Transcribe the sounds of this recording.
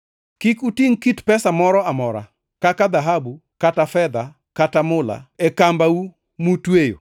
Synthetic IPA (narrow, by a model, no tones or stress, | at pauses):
kikutiŋkitpɛsamɔɾɔamɔɾa̰ | kakad̪aɦabukatafɛd̪a | katamʊla̰ɛkambau | mutwejo̰